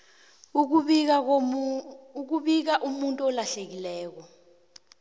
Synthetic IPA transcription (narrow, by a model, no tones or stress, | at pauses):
uk̬uɓik̬aʔumuntʼuɔlaɬek̬ilɛːk̬ɔ